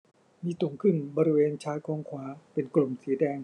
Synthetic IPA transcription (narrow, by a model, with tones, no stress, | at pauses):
miː˧su˨˩˦ŋkʰɯ˥˩nbɔː˧ɾi˦˧weː˧nt͡ɕʰaː˦˥jkɔː˧ŋkʰwaː˨˦˥pe˧nklo˨˩msi˩˦dɛː˧ŋ